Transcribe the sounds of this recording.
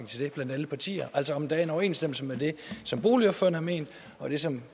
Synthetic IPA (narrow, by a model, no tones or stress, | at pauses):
ŋt͡sʰe̝ld̥e̝b̥læn̰d̥æləpʰɑ̈t͡sʰḭːɐʔæl̰sɒɒ̽md̥ææɐe̝nɒʊɐe̝ːnsd̥em̰l̩səmede̝sɒ̽mb̥o̝ːliɒ̽b̥føɐnəhɑ̈mḛːnd̥ | ɒ̽d̥e̝sɒ̽m